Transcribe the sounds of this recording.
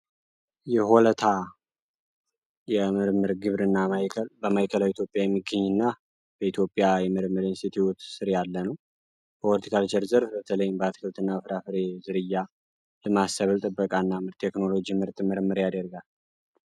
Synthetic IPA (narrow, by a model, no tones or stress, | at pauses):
jɛɦolət̪ʰa | jɛmɨɾmɨɾɡɨβɾɨnːaajʰbəmajkʰəlawit̪jo̞pʼjajɛmːiɡəɲːɨnːa | b̥əit̪ʰjo̞pʼːjajɛmɨɾmːɨɾɪnst̪it̪ʰiwut̪sɨɾjalːənəw | bəolət̪i̥kʰalt͡ʃəɾzəɾfbət̪ʰələjɪmbəat̪kʰəlt̪ʰɨnːafɾafɨɾe̞zɨɾɨjːa | lɨmasəβɨlt̪ʼɨbːəkʼanːamɨɾt̪ʰe̞kno̞lo̞d͡ʒimɨɾt̪ʼmɨɾmːɨɾjad̪əɾɡal